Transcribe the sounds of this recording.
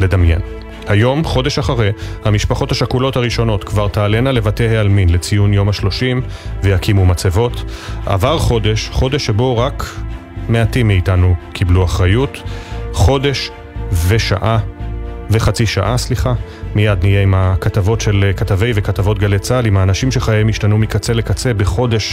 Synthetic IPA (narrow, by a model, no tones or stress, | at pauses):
le̞damjḛn | hajo̞mχo̞de̞ʃaχaʁehamiʃpaχo̞thaʃakulo̞thaʁiʃo̞no̞tkvaʁt̪aːle̞nale̞vatehealminle̞t͡sijunjo̞maʃlo̞ʃimvejakʰimumat͡sevo̞ta̰vaʁχo̞de̞ʃχo̞de̞ʃːe̞bo̞ʁak | me̞atimːiːtanukʰibluaχʁajutχo̞de̞ʃ | ve̞ʃa̰ʔa | ve̞χat͡siʃa̰ʔasliχa | mijadnije̞imakatavo̞tʃe̞lkatave̞jvekatavo̞t̚ɡalet͡salimhaːnaʃimʃeχajemiʃtanumikat͡se̞le̞kat͡se̞beχo̞de̞ʃ